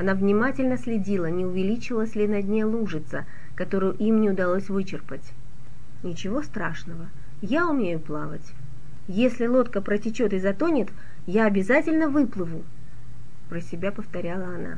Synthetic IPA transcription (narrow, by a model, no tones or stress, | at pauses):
ɐnavnʲɪmatʲɪlʲnəsʲlʲɪdʲilˠənʲɪʊvʲɪlʲit͡ɕɪlˠəsʲlʲɪnɐdʲnʲejlˠuʐɨt̪sə | kɐt̪o̞ɾɨjʊʔimnʲɪʊd̪ɐlˠo̞sʲvɨt͡ɕɪrpətʲ | nʲɪt͡ɕɪvo̞st̪ɾaʂnəvə | jaʊmnʲejʊplˠavətʲ | jesʲlʲɪlˠo̞t̪kəpɾətʲɪt͡ɕo̞t̪ɨzɐt̪o̞nʲɪt̪ | jaɐbʲɪzatʲɪlʲnəvɨplˠɨvʊ | pɾəsʲɪbʲapəft̪ɐɾʲalˠəɐna̰